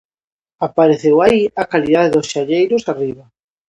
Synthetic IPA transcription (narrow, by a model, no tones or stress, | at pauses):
apaɾeθewaiakaliðaðeðʊsʃaʎejɾʊsariβa